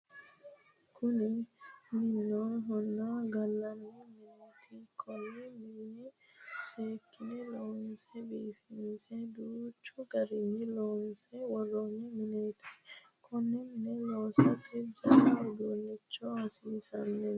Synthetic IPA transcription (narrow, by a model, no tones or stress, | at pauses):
kʰʊnɪmɪnːoːnɦɔnːaɡɐlːɐnːɪmɪnet̪ʰikʰɔnːɛmiːnɪ | seːkːɪnɪloːnsɛbiːfɪmɪsɛd̪uːt͡ʃːɔɡɐɾɪnːɪloːnsɛwɔrːonːɪmɪnet̪ʰi̥ | kʰɔnːɛmɪnɛloːsɐt̪ifd͡ʒɐɾad̪uːnːɛt͡ʃːɔɐsiːsɐnːɛ